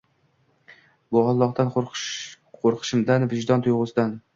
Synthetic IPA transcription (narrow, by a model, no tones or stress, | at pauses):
bʊɑlˠːɒqt̪an | qʰoɾqʰɨ̥ʃɪmd̪anvɪʒd̪ɒnt̪ʰʊjʁʊsɪd̪an